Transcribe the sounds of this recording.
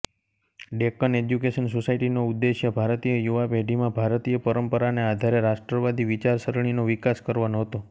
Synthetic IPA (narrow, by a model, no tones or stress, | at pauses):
ɖekəned͡ʒjukeʃənsosaiʈinoud̪ːeʃjəbʱaɾt̪ijəjuʋapeɖʱimãbʱaɾt̪ijəpəɾəmpəɾanead̪ʱaɾeɾaʃʈɾəʋad̪iʋit͡ʃaɾsəɾɳ̃inoʋikaskəɾʋanoɦət̪o